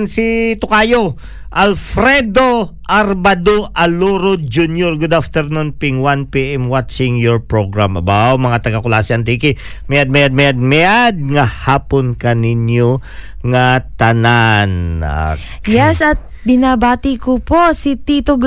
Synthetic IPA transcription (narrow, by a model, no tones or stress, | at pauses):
nsit̪ʊkaːjo | ʔɐlfɾɛd̪o̞ | ʔɐɾbad̪oʔɐloɾod͡ʒunjoɹɡʊd̪aft̪ɛɾnunpiŋwanpiʔɛmwat͡ʃɪŋjɔɹpɹoɡɹamʔɐbawmɐŋat̪ɐɡɐkʊlasɪɐnt̪ikɪ | mɛjad̪̚mɛjad̪̚mɛjad̪̚mɛjad̪̚ŋɐhaːponkɐnɪɲjo | ŋɐt̪ɐnana̰ | jɛsɐt̪̚ | bɪnabaːt̪ɪkoposit̪iːt̪oɡ